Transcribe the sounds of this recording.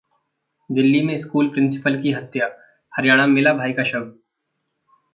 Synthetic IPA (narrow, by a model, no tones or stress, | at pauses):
d̪ɪlːimẽɪskuːlpɾɪ̃nsɪ̥pəlkiɦɐt̪ːjaː | hɐɾjaːɽ̃amɪlabʱaːikaʃɐb